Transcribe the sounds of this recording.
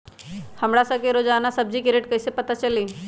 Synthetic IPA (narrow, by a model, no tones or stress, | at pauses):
hɐmɽasɐkeɾod͡ʒaːnasɐb̚d͡ʒikeɾeʈkɐisepɐt̪at͡ʃɐliː